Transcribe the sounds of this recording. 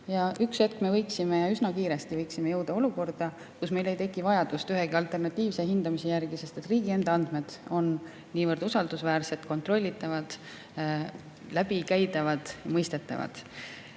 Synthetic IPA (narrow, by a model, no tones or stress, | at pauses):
jɑykset̪̚kme̞vɤjksime̞jɑysnɑkiːɾe̞st̪ivɤjksimejɤwd̪̥ɑo̞luko̞rd̪̥ɑ | kusme̞jle̞jt̪e̞kːˑivɑjɑd̪̥ust̪yɦe̞ɡiɑlt̪ˑe̞rnɑt̪ːˑiːvse̞ɦind̪ɑmise̞jærɡ̥ise̞st̪et̪riːɡ̥ie̞nd̪̥ɑɑnd̪̥me̞d̪̥o̞nː | iːvɤrd̪usɑld̪̥usvæːrset̪ko̞nt̪ro̞lʲːit̪ːˑɑvɑd̪̥ | læb̥ikæjd̪ɑvɑd̪̥jɑmɤjst̪e̞t̪ːˑɑ̰vɑ̰d̪̥